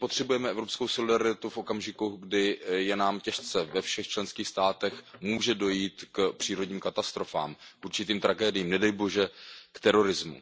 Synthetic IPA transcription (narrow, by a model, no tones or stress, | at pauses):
pot̪r̥ɛbujɛmɛɛvɾo̞pskowso̞lɪdaɾɪt̪ufʔo̞kamʒɪkuɡdɪjɛnaːmcɛʃt͡sɛvɛfʃɛxt͡ʃlɛnskiːxst̪aːt̪ɛxmuːʒɛdo̞jiːt̪kpr̝̥iːɾo̞dɲiːmkat̪ast̪ɾo̞fa̰ːmkuɾt͡ʃɪt̪iːmt̪ɾaɡɛːdɪjiːmnɛdɛjbo̞ʒɛkt̪ɛɾo̞ɾɪzmṵ